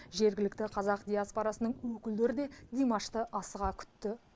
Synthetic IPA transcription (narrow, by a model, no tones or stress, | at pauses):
ʒe̞ɾɡʲɪlɪk̚t̪ɪqʰɑzɑqd̪ʲijaspoɾɑsənəɴwɵkʲɪld̪e̞ɾɪd̪e̞d̪imaʃt̪əʔɑsəʁɑkʲʰʏ̥t̪ːɪ